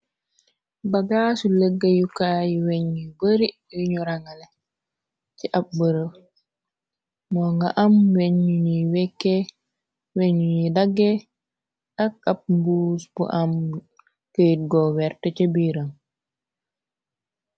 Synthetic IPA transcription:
baɡasuləɡːajukajiweɲibəɾi | wiɲuɾaŋɡalɛ | t͡ʃiʔap̚bəɾə | mɔŋɡaʔamweɲuɲiwɛkːɛ | weɲuɲidaɡːɛ | tak̚ap̚mbuːsbṵʔam | kət̚ɡɔwɛɾtɛt͡ʃebiɾam

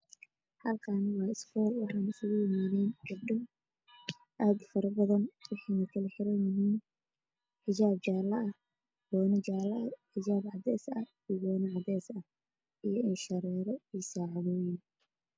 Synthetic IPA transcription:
hɐlkʰaːnwɑːɪsfɔːlwɑħɑːnɪsʊɣʊjɪmaːðɛnd͡ʒɐbɖɔ | ʔaːd̪fɐɾɐbɐðɐnwɑħɑːnɐkʰɐlɛħɪɾɛjmʊɦiːm | ħɪd͡ʒaːb̚t͡ʃaːlɐʔɐh | ɡɔːnɐt͡ʃaːlɐɐħɪd͡ʒaːbʕɑd̪ɛːsɐ | iɡɔːnɐʕɑd̪ɛːsɐ | ijɞʔɪnʃɐɾɛːɾɔisaːʕɑðɔːjɪn

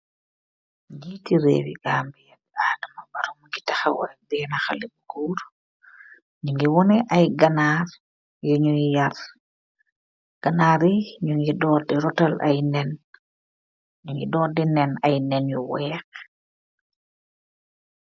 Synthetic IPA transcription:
d͡ʒitiɾḛːwḭɡaːmbijabadɐmɐbɐɾɔmŋɡitɐxawa̰bɛnaxɐlibukuːɾ | ɲuŋɡiwɔnɛʔɐjɡɐnaːɾ | jɔɲujar | ɡ̥ɐnaːɾiɲuŋɡidɔːdiɾɔtɐlʔa̰jnɛn | ɲuŋɡidɔːdinɛnɐjnɛnjuwɛːk̚

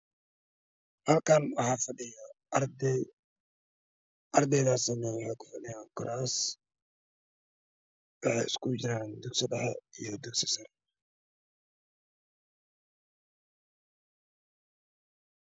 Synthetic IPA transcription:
hɐlkʰaːnwɑħɑːfɐɖɪjɐ | d̪ɛ | ʔɐrd̪ɛjðaːsɐmɛwħɑjkʰʊ̥fɐɖɪjaːŋkʰɔɾʔaːs | wɑħɑjɪ̰skʰʊd͡ʒɪɾaːnd̪ʊɡsɐdɐħɛ̰ijɔd̪ʊɡsɪ̥sɐɾ

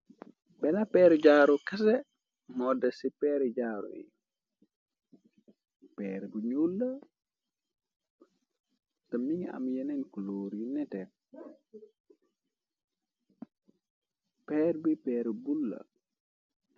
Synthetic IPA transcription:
bɛnapɛɾd͡ʒaːɾukɐs̬ɛ | mɔdasipɛɾɛd͡ʒaːɾṵjḭ | pɛɾɛbuɲulːa | tamiŋa̰mjɛnenkuloːɾjunɛtɛ | pɛːɾbipɛːɾbulːa̰

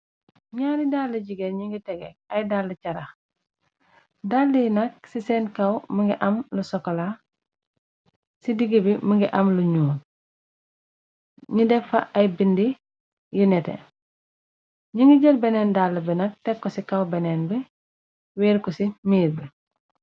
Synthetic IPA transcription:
ɲaːɾidaːlːɐɟiɡeɲiŋɡitɛɡɛɐjdaːlːɐcɐɾɐx | daːlːijinɐk̚sisɛːnkɐwməŋɡiʔɐmlusɔkɔla | sidiɡibiməŋɡiʔɐmluɲuːn | ɲidɛfɐʔɐjbindi | jinɛtɛ̰ | ɲiŋɡiɟɐlbɛnɛːndaːlːɐbinɐk̚tɛkːɔsikɐwbɛnɛːnbi | weːɾkɔsimiːɾbi

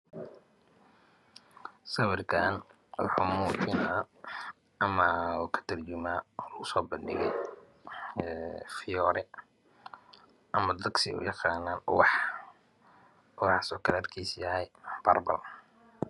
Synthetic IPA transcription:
sɐwɪrkʰaːn | wɑ̰ħuːmuːt͡ʃɪnaː | ɐmɐkʰɐ̥t̪ʰɐrt͡ʃʊmaːʊsɔːbɐndɪ̰ɣɛ̰j | fɪjɔːɾɛ | ʔɐmɐd̪ɐɡsɪʊ̰jɑqɑːnaːnʊwɑħ | ʊwɑħɑsɔːkʰɐlːrkʰiːsjɐɦɛjb̥ɐ̰rbɐ̰l

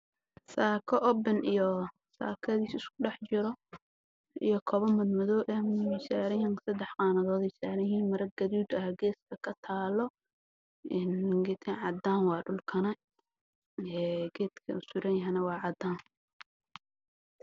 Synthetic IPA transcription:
saːkʰɔʔɔbɛnijɔ | sa̰ːkʰɐðiːsɪskʰʊɖɑħt͡ʃɪɾɔ | ḭjɔkʰɔβɐnmɐd̪mɐðɔːʔɛmɪsaːɾɐjɐŋsɐd̪ɛħqɑːnɐðɔːd̪ɪsaːɾɐjiːnmɐɾɐɡ̥ɐðuːd̪ɐhɡɛːskʰɐkʰɐt̪ʰaːlɔ | ɛnɡɪt̪ʰɛʕɑd̪aːnwɑːɖʊlkʰɐnɐ | ɛːɡ̥ɛːd̪kʰɐ̰ʊsʊɾɐjɐɦɛnɐwɑːʕɑd̪aːn

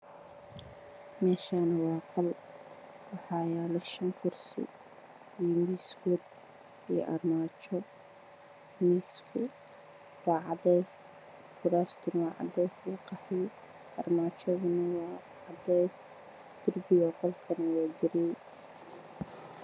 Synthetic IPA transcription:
mɛːʃaːnɐwɑːqɑl | wɑħɑːjaːlɔʃɐŋkʰʊrsɪ̰ | iːmiskʊd̪ | ḭːʔɐ̰rmaːt͡ʃɔ | miskʰʊ | wɑːʕɑd̪ɛjs | ɡʊɾaːst̪ʰʊnwɑːʕɑ̰d̪ɛjslɐqɑħɪj | ʔɐrmaːt͡ʃʰɔðʊnɐwɑː | ʕɑd̪ɛjs | d̪̥ɪrbɪjɔːqɔlkʰɐnɐwɑːɡɪɾij

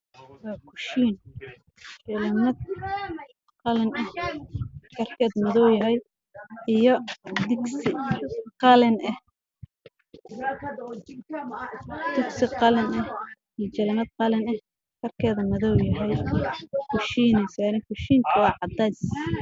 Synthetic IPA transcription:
wɑːkʰʊʃiːn | t͡ʃɛlɐnɐd̪̚ | qɑlɛnɐh | kʰɐrkʰɛːd̪mɐðɔwjɐɦɛj | ijɔd̪ɪɡsɪqɑlɛnʔɐh | d̪̥ɪɡsɪqɑlɛnɐh | ijt͡ʃɛlɐnɐd̪̚qɑlɛnɐh | kʰɐrkʰɛːðɐmɐðɔwjɐɦɛj | kʰʊʃiːnɛjsaːnɪkʰʊʃiːŋkʰɐwɑːʕɑd̪ɛjs

